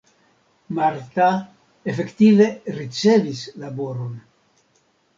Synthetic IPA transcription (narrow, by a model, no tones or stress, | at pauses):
maɾt̪a | efekt̪iveɾit͡sevislaboɾon